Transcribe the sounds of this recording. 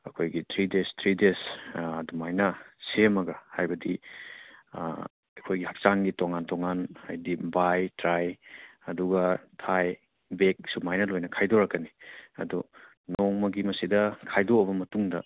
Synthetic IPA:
ɐkʰojɡitʰɾidestʰɾidesɐdumajnɐsemɐɡɐhajbɐdi | ɐkʰojɡihap̚saŋɡitoŋantoŋanhajdibajtɾajɐduɡɐtʰaj | bek̚sumajnɐlojnɐkʰajdoɾɐkːɐniɐ̰du | nɔŋmɐɡimɐsidɐkʰajdoːbɐmɐtuŋdɐ̰

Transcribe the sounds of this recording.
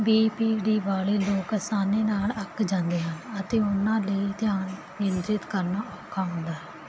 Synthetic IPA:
biːpiːɖiːʋaːleːloːkəsaːneːnaːləkd͡ʒãːnd̪eːɦənət̪eːʊnãːləit̪ɪjaːn | nɪnd̪ɾɪt̪kəɾnaːʔɔːkʰaːɦʊ̃nd̪aːɦːɛː

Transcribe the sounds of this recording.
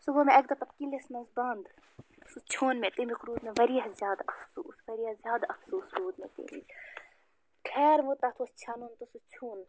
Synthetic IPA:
subomeɐk̚d̪ɐt̪ɐpkilesmɐzbaːnd̪ | sut͡ʃʰoːnmet̪emikɾuːd̪meʋɐɾiɐzjaːd̪ɐfsṵːsʋɐɾiːɐzjaːd̪ɐfsuːsɾuːd̪mḛt̪ḛmi | kʰɛːɾʋot̪aːt̪ʰost͡ʃʰaːnuːnt̪usut͡ʃʰuːn

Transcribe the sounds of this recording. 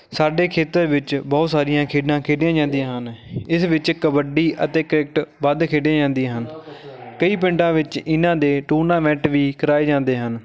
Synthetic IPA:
saːɖeːkʰeːt̪əɾʋɪt͡ʃbɔːt̪saːɾɪjãːkʰeːɖãːkʰeːɖjãːd͡ʒãːnd̪ijãːɦənɪsʋɪt͡ʃkəbəɖiːʔə̰t̪eːkəɾɪk̚ʈbəd̪kʰeːɖjãːd͡ʒãːnd̪iãːɦənkəiːpɪ̃ɳʈãːʋɪt͡ʃɪnãːd̪eːʈuːnãːmɛːʈʋiːkəɾaːeːd͡ʒãːnd̪eːɦən

